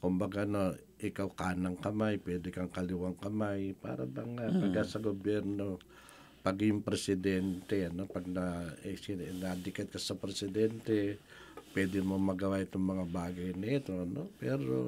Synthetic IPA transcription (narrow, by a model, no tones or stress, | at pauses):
kʊmbɐɡano̞ | ʔɪkawkaːnɐŋkɐmajpwɛːd̪ɪkɐŋkɐlɪwaŋkɐmajpa̰ːɾɐbɐŋat̪ɐɡasɐɡobjɛɾno̞ | pɐɡjʊŋpɾɛsɪd̪ɛnt̪ɛɐno̞pɐɡ̚naɛsinɐd̪ɪkɐt̪̚kɐsɐpɾɛsɪd̪ɛnt̪ɛ | pwɛːd̪ɪmomɐɡɐwaʔɪt̪oŋmɐŋabaːɡɐjnɐɛt̪o̞ɐnopɛːɾo̰